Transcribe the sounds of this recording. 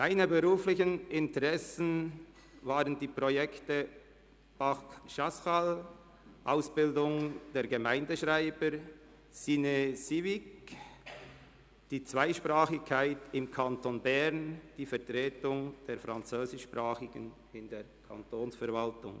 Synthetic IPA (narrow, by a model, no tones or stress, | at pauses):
ʔaɪnəbəʁuːflɪçənɪntəʁɛsn̩ | vaːʁəndiːpʁojɛktə | b̥aχʃaskal | ʔaʊsb̥ɪldʊŋd̥eːɾɡəmaɪndəʃʁaɪbəɾ | sinesivɪk | d̥iːt͡sv̥aɪʃpʁaːχɪçkʰːaɪtɪmkʰantonbɛɾnd̥iːfɛɐtʁeːtʊŋd̥eːɾfʁant͡søːzɪʃpʁaːχɪɡ̥ə̰n | ɪndeːɾkʰa̰ntoːnsfɛɐɾvaltʊ̰ŋ